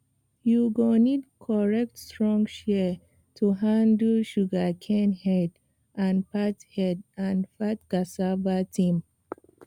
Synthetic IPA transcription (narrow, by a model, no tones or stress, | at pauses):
juɡɔnid̚kʰɔɹɛk̚tstɹɔ̃ŋɡʃɛ | tʰuɦãndəʃuɡakʰɛ̃nhɛd | ʔãnpathɛdãnfat̚ɡ̥asabatʰĩm